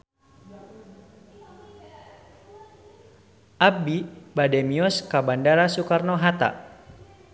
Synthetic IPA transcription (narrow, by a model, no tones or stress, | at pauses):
ʔabibadɛmiɔskabandaɾasukarnɔɦat̪a̰